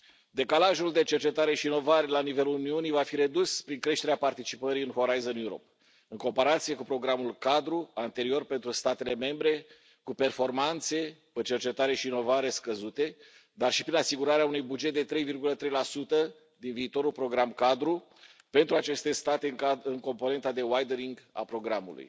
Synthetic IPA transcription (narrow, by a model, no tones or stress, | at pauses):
d̪e̞kalaʒuld̪e̞t͡ʃe̞rt͡ʃe̞t̪aɾe̞ʃiːno̞vaɾe̞lanive̞luluniunivafiɾe̞d̪uspɾiŋkɾe̞ʃt̪eɾeapart̪it͡ʃipəɾiɨnxo̞ɾajzənjuɾo̞̰p̚ | ɨŋko̞mpaɾat̪sije̞kupɾo̞ɡɾamulkad̪ɾuant̪e̞ɾio̞rpe̞nt̪ɾust̪at̪e̞le̞me̞mbɾe̞ | kupe̞rfo̞rmant̪se̞pət͡ʃe̞rt͡ʃet̪aɾe̞ʃiːno̞vaɾe̞skəzut̪e̞ | d̪arʃi̥pɾinasiɡuɾaɾeaunujbud͡ʒet̪̚d̪e̞t̪ɾe̞jvirɡulət̪ɾe̞jlasut̪ə | d̪inviːt̪o̞ɾulpɾo̞ɡɾamkad̪ɾu | pe̞nt̪ɾuat͡ʃe̞st̪e̞st̪at̪e̞ɨŋko̞mpone̞nt̪ad̪e̞wajd̪eɾiŋɡa̰pɾo̞ɡɾamṵlṵj